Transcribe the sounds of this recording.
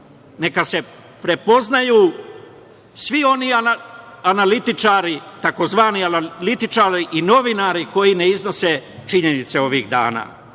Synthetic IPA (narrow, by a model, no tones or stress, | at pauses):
ne̞kase̞ | pɾe̞po̞znajuː | sʋio̞niaaanalit̪it͡ʃaːɾit̪ako̞zʋaːnianalit̪it͡ʃaːɾiʔino̞ʋinaɾiko̞jineizno̞se̞t͡ʃiɲe̞nit̪se̞o̞ʋiɣd̪a̰ːna̰ː